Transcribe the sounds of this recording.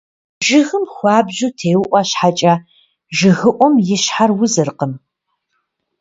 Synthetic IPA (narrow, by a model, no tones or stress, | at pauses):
ʒɪɣɨmxʷɑːbʑutʰeːwʊʔʷɐɕħat͡ʃʼɐ | ʒɪɣɨʔʷɔmjɪɕħarwʊzɨrqəm